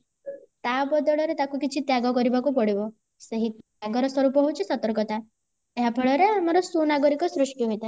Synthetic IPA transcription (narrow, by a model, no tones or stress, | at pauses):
t̪abɔd̪ɔɭɔɾet̪akukit͡ʃʰit̪jaɡɔkɔɾibakupɔɽibɔ | seɦit̪ | aɡɔɾɔswɔɾupɔɦut͡ʃʰisɔt̪ɔɾkɔt̪a | eɦapʰeɭɔɾeamɔɾɔsunaɡɔɾikɔsɾuʂʈjuɦojt̪a